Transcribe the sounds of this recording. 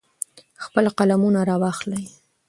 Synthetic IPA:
xpəlqalamunaɾɑwɑxləj

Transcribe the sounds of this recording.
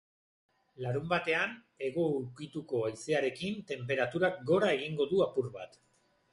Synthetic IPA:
laɾumbat̪e̞an | e̞ɣo̞uɾkit̪uko̞ajse̞aɾe̞kint̪e̞mpe̞ɾat̪uɾak̚ɡo̞ɾae̞ɣ̞iŋɡo̞ðuapuɾβat̪

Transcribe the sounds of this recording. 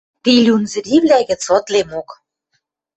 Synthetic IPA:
t̪ilʲunzɘ̆ɾʲiβlʲæɣɘ̆t͡sɤ̆t̪lemok

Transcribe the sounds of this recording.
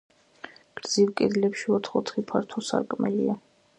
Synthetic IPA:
ɡ̥ɾd̪z̥ivkʼɛd̪lɛpʃiɔt̪ʰχɔt̪ʰχipʰaɾt̪ʰɔsa̰ɾkʼmɛlḭa

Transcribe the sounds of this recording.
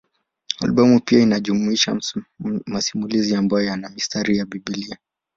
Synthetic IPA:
a̰lɓɔmupiainaʄumuiʃa | masimuliziambajɔjanamistʰaɾijaɓiɓilia

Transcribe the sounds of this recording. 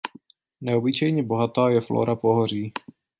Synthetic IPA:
nɛobɪt͡ʃɛjɲɛbo̞ɦat̪aːjɛflo̰ːɾʔapoɦor̝iː

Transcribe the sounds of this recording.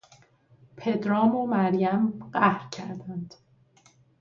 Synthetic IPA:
pʰe̞d̪ɾɒːmomæɾjæmɢæhɾcʰæ̰ɾd̪ænd̪̥

